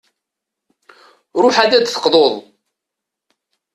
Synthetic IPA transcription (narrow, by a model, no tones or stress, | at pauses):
ɾˤʊħad̪æd̪θə̥qðˤoðˤ